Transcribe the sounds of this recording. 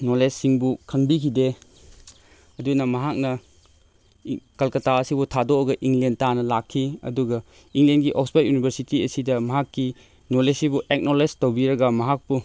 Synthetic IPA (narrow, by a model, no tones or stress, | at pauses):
nolesːiŋbukʰɐŋbikʰide | ɐdunɐmɐɦak̚nɐ | kɐlkɐtaɐsibutʰadoɐɡɐʔiŋlentanɐlakʰːiɐ̰duɡɐ | iŋlenɡiʔɔksbat̚junibʱeɾsitiɐsidɐmɐɦakːi | nolesibuʔek̚noled͡ʒtɐwbiɾɐɡɐmɐɦak̚pu